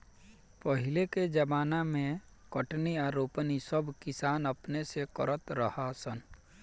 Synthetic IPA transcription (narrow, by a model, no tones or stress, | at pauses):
pəɦɪleked͡ʒəbaːnamẽkəʈniaːɾoːpnisəbkɪsaːnəpnesekəɾət̪ɾəhasən